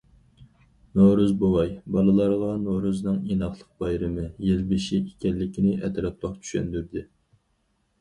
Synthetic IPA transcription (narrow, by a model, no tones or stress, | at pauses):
noɾuzbowɑjbɑlˠɨlˠɑɾʁɑnoɾuznɨŋinɑχlˠəq̚bɑjɾɨmɨjelbɪʃiekʲɛlːɪkʲʰinɪʔɛt̪ɾɑt̪̚lɑqt͡ʃʰy̥ʃɛ̰nd̪yɾd̪ɪ